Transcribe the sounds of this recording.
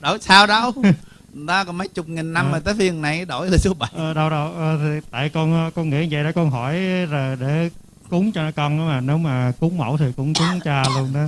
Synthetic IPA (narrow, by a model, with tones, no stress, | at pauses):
ɗo˧˩jsaː˧wɗə˧w | t̪aː˨˧˦kɔ˨˩mə˨˦jt͡ɕʊ˨˩k͡p̚ŋi˨˩nːa˧mːəː˨˩t̪əː˨˦vi˧˩əŋna˨˩jɗo˧˩jəː˨˩su˨˦əɓa˧˩˨ə˨˩ɗə˧wɗə˧wʔə˨˩t̪ʰi˨˩t̪a̰ː˧˨jkɔ˧n˨kɔ˧nŋḭ˧˥˦və̰˧˨ɗə˧˦kɔ˧nɦɔ˧˩jzəː˨˩jɗe˧˩ | kʊ˨˦ŋ͡mt͡ɕɔ˧nɔ˨˦kɔ˧na˨˦maː˨˩ne˨˦wmaː˨˩kʊ˨˦ŋ͡mmə̰˧˩wt̪ʰi˨˩kʊ̰˧˥ŋ͡mkʊ˨˦ŋ͡mt͡ɕa˧lu˧ənɗɔ˨˦